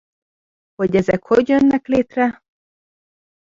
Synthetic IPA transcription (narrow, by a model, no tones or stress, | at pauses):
ho̞ɟɛzɛkho̞ɟjønːɛkleːt̪rɛ